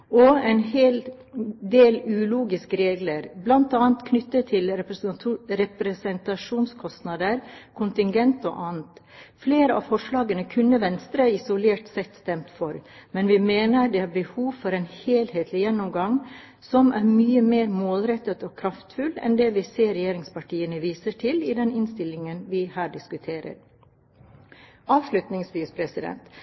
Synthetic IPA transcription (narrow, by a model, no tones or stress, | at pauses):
ɔɛɪnheːl | d̪eːlʉːluːɡɪskəɾeːɡləɾblɑnt̪ɑːnt̪kʰnʏt̪ːət̪ʰɪl | ɾɛpɾɛsɛnt̪ɑʂuːnskʰɔst̪nɑd̪əɾkʰʊnt̪ɪŋɡɛnt̪ɔ̰ʔɑːnt̪fleːɾəɑ̰ʋfɔʂlɑːɡənəkʰʉnːəʋɛnst̪ɾəɪsʊleːʈsɛt̪ːst̪ɛmt̪fɔɾmɛnʋɪmeːnəd̪ɛhɑbəhuːʋfɔɾɛːnheːlheːt̪ʰlɪjɛnːɔmɡɑŋ | sɔmʔæːɾmyːəmeːɾmoːlɾɛt̪ːət̪oːkʰɾɑft̪fʉlɛ̰nd̪ɛːʋɪseːɾɛjeːɾɪŋspɑʈʰiːənəʋiːsəʈʰɪlɪd̪ɛnɪnst̪ɪlːɪŋənʋɪhæːɖɪskʉt̪ʰeːɾə̰ɾ | ɑːʋʂlʉt̪nɪŋsʋiːspʰɾɛsɪd̪ɛ̰nt̪